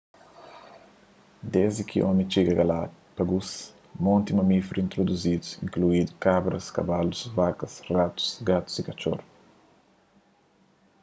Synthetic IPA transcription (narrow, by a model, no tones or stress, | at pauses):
d̪ezd̪ikʰḭʔõmit͡ʃiɡɐɡɐlad̪ | pɐɡus | mõnt̪imɐmifɾĩnt̪ɾod̪uzid̪usĩŋkluid̪ukabɾɐskɐ̰balusvakɐsrat̪u̥sɡat̪u̥zikɐt͡ʃo̰ɾ